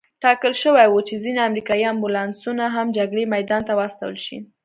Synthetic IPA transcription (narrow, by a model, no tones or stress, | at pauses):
ʈɑkəlʃəwajwut͡ʃezineamɾikɑjiambulɑnsunaɦamd͡ʒaɡɽemajd̪ɑnt̪awaast̪a̰wə̰lʃḭ